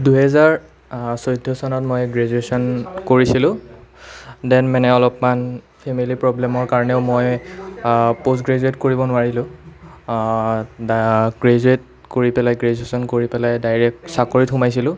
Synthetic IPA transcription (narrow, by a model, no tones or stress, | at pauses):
duɦɛzaɹ | sojdʱːɔsɔnɔtmojɡɹezuesɔnkoɹisilʊ̃ | dɛnmɛnɛɔlɔpman | pʰemilipɹɔblɛmɔɹkaɹɔnɛʊmoj | pos̬ɡɹezuetkoɹibɔnʊwaɹilʊ̃ | ɡɹezuet̚ | koɹipɛlajɡɹezuesɔnkoɹipɛlajdajɹɛk̚tsakoɹitxumajsilʊ̃